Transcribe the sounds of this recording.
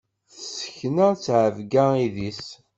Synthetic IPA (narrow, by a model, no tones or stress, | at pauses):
θsə̥çnæt͡sːʕəvɡæiðis